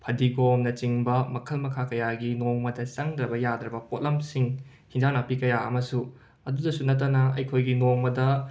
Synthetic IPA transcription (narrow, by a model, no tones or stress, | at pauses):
pʰɐdiɡomnɐt͡ʃiŋbɐmɐkʰɐlmɐkʰakɐjaɡinoŋmɐdɐsɐŋdɾɐbɐjad̪ɾɐbɐpot̚lɐmsiŋ | hiŋd͡ʒanapikɐjaɐ̰mɐsu | ɐdudɐsunɐt̬ːɐnɐɐjkʰojɡinoŋmɐdɐ